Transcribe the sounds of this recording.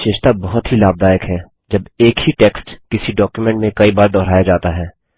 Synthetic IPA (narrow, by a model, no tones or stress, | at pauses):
ʃeːʃt̪abɐɦʊt̪ɦilaːb̚d̪aːjəkɦɛː | d͡ʒɐbeːkhiʈeːksʈkɪsiɖɔːkjumɛ̃ɳʈmẽkɐibaːɾd̪ɔːɾaːjad͡ʒaːt̪aɦɛː